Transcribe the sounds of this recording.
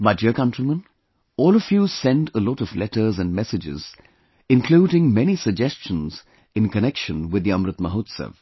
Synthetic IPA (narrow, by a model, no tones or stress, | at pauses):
bʌtjəkʌ̃ntɾimə̃n | ɔːlɔfjusɛ̃nʈəlɔɾɔvlɛtə˞zæ̃nmɛsɨd͡ʒɪ̰z | ɪ̃nkʰl̥uːɾɪ̃ŋmɛnisəɡ̚d͡ʒɛst͡ʃə̃nz̥ | ɪ̃nkənɛkʃə̃nwɪd̪ːiʌ̃mɾɨt̪məɦoːt̪sə̰v